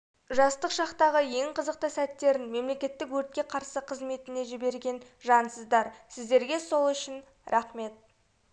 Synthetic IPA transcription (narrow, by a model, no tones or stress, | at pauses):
ʒɑst̪əqʃɑqt̪ɑʁəje̞ŋqʰəzəq̚t̪əsæt̪ːe̞ɾɪnme̞mle̞kʲe̞t̪ːɪkwɵɾt̪̚kʲe̞qʰɑɾsəqʰəzme̞t̪ɪne̞ʒɪbe̞ɾɡʲe̞nʒɑnsəzd̪ɑɾsɪzd̪e̞ɾɡʲe̞so̞lˠʏʃɪn | ɾʔɑχme̞t̪̚